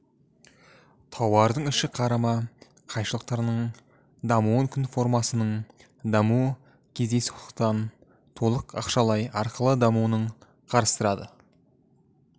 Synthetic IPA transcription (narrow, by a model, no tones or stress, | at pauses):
t̪ʰɑwɑɾd̪əɴɪʃɪqʰɑɾɑmɑ | qʰɑjʃəlˠəq̚t̪ɑɾnəɴ | d̪ɑmuwəŋkʲʰʏnfo̞ɾmɑsənəɴ | d̪ɑmu | kʲʰe̞zd̪e̞su̥əqt̪ɑn | t̪ʰo̞lˠəqɑ̰qʃɑlˠɑjɑɾqəlˠəd̪ɑmuwnəɴ | qʰɑɾəst̪əɾɑd̪ə